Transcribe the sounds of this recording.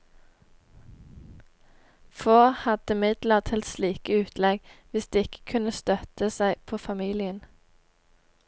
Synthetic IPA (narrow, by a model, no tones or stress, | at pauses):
foːhɑd̪̥əmɪd̪ləʁt̪ʰɪlt̪sliːkəʉːt̪ʰlɛɡʋɪsd̪̥eːɪkə̥kʰʉnəst̪œt̪əsæɪpʰoːfɑmiːlɪən